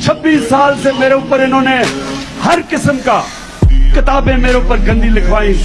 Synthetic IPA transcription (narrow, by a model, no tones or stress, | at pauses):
t͡ʃʰɐbːiːsːaːlsemeːɾeʊpːəɾɪnõːne | hɐɾkɪsəmkaː | kɪt̪aːbẽmeːɾeʊpːəɾɡɐ̃nd̪ʱĩlɪkʰʋaːĩː